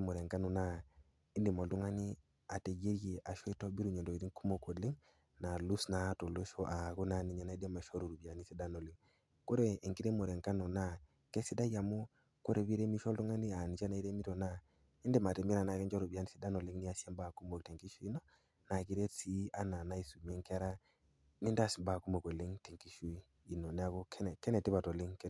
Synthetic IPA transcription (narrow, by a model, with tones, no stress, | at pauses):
mo˨ɾe˨ŋka˦nu˨na˦ | i˦ndi˨mo˨ltu˦ŋa˦ni˦ | a˨te˨ɡe˦ɾji˨ʔa˨ʃo˦i˦to˦bi˦ɾu˨ɲo˨do˨i˨ti˦ŋku˦mo˨ko˨dli˦ŋ | na˨lu˦sna˨˦to˨lo˦ʃo˦ʔa˨ɡo˦na˦˨ni˨ɲa˦na˦i˦de˦ma˨ʃo˦ɾu˨ɾu˨bi˨a˨ni˦si˦da˦no˨li˦ŋ | ko˦ɾe˨i˨ŋki˦ɾe˦mo˨ɾe˨ŋka˦nu˨na˦ | ke˦si˦da˦ja˨mo˦ | ko˦ɾe˨bi˦ɾe˦mi˦ʃo˦ltu˦ŋa˦ni˦a˨ni˨t͡ʃa˦na˨i˦ɾe˦mi˦to˨na˦ | e˦nde˦ma˨te˨mi˦ɾa˨na˨kɛ˦nd͡ʒɔ˦ɾu˨bi˨a˨ni˦si˦da˦no˨li˦ŋni˦a˨si˦a˦ba˨ku˦mo˨kte˨ŋki˦ʃu˦i˦no˦ | na˨ki˨˦ɾe˦tsi˦a˦na˨na˦i˨˦su˨m˨e˦ŋka˦ɾa˦ | ni˦nda˦˨sba˨ku˦mo˨ko˨le˦ŋte˨ŋki˨˦ʃu˦i˦ | i˦no˨nɛ˨˦a˦ko˦kʰɛ˦n˨kɛ˦nɛ˨ti˦ba˨to˨li˦ŋk